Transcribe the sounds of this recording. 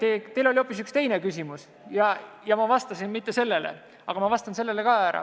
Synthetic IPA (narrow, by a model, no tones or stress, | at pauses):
t̪et̪elo̞lʲio̞pːˑisykst̪e̞jne̞kysʲimus | jɑjɑmɑvɑst̪ɑsinmit̪ːˑe̞se̞lːe̞lḛ | ɑɡ̥ɑmɑvɑst̪ɑnse̞lːe̞le̞kɑæɾɑ̰